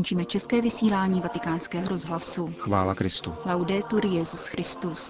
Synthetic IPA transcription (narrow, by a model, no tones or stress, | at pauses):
nt͡ʃiːmɛt͡ʃɛskɛːvɪsiːlaːɲiːvat̪ɪkaːnskɛːɦoɾo̞zɦlasuxvaːlakɾɪst̪ulawdɛːt̪uɾɪjɛzusxɾɪst̪us